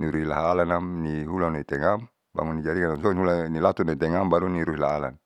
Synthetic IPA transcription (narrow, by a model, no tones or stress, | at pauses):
niɾuɦila̰ɦalanamniɦulanait̪ɛŋam | ba̰ŋunːid͡ʒaɾikanansɔnihulanilat̪unait̪ɛŋambaɾuniɾuɦilaɦala̰n